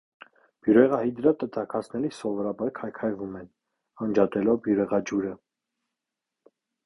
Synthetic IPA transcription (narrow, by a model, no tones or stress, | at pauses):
b̥juɾɛʁɑhid̪əɾɑt̪ət̪ʰɑkʰɑt͡sʰnɛlisɔvɔɾɑbɑɾkʰɑjkʰɑjvumɛn | hɑnd͡ʒɑt̪ɛlɔvbjuɾɛʁɑd͡ʒuɾə